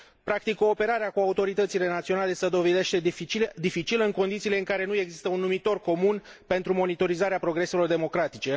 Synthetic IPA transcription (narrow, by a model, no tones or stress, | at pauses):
pɾakt̪ikːoːpe̞ɾaɾeakuaut̪o̞ɾit̪ət̪sile̞nat̪sio̞nale̞səd̪o̞ve̞d̪e̞ʃt̪e̞it͡ʃid̪ifit͡ʃiləɨŋko̞nd̪it̪sile̞ɨŋkaɾe̞nue̞ɡzist̪əunːumit̪o̞rko̞mun | pe̞nt̪ɾumo̞nit̪o̞ɾizaɾeapɾo̞ɡɾe̞se̞lo̞rd̪e̞mo̞kɾat̪it͡ʃe̞